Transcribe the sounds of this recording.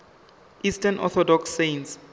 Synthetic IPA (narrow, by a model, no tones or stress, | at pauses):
ʔistʰanʔɔ̰θʰɔdɔksːens